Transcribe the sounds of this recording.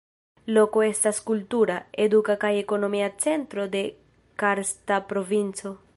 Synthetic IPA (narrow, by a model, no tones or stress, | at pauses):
lokoest̪askult̪uɾaed̪ukakajekonomiat͡sent̪ɾod̪e | kaɾst̪apɾovinso